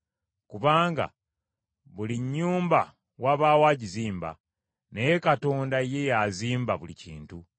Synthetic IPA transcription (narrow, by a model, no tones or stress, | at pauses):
kuβaːŋɡa̰ | βuliɲːuːmba | waβaːwaːɟiziːmba̰ | nejekato̞ːndaje̞jaziːmbaβulḭcḭːntu